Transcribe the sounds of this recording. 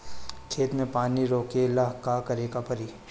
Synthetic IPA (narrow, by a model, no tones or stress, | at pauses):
kʰeːt̪mẽpaːniɾoːkelaɦkakɐɾeːkapɐɾiː